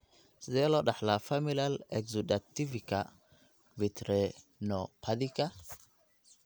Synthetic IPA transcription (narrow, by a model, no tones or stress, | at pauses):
sdeloɗaħlafamilalekzudativika | vitɾe | nopʰadika